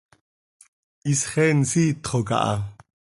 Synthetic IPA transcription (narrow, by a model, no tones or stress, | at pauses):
ʔisχɛnsiːt̪χoka̰ʔɑ̰